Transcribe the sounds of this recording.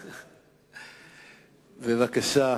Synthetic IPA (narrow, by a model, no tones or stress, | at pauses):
bevakaʃa